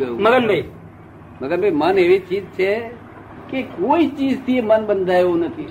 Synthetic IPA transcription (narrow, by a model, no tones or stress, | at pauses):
əjũməɡənbʱai | məɡənbʱaiməneʋit͡ʃid͡ʒ̚t͡ʃʰe | kekoit͡ʃid͡ʒt̪ʰiemənbənd̪ʱajʋũnət̪ʰi